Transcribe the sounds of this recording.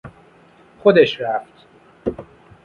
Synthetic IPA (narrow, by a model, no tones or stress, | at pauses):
χod̪eʃɾæft̪